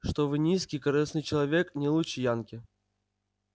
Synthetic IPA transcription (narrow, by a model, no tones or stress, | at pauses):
ʂt̪ovɨnʲiskʲijkɐɾɨsnɨjt͡ɕɪlˠɐvʲeknʲɪlˠut͡ɕɪjankʲɪ